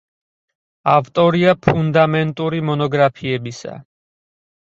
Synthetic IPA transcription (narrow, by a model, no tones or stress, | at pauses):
avt̪ʼɔɾiapʰund̪amɛnt̪ʼuɾimɔnɔɡɾapʰiɛbisa̰